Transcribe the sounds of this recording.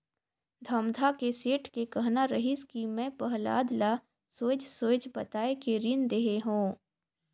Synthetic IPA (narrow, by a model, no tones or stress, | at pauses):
d̪ʱɐmd̪ʱakeseːʈʰkekɐɦnaɾəɦɪskimɛ̃pəɦla̰ːd̪la | soːd͡ʒsoːd͡ʒbɐt̪aːekeɾɪnd̪eɦeɦõː